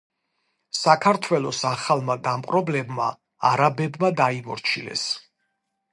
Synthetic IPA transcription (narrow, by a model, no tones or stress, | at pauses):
sakʰaɾt̪ʰwɛlˠɔsaχalˠmad̪amqʼɾɔblɛbma̰ | aɾabɛbmad̪aimɔɾt͡ʃʰilɛ̰s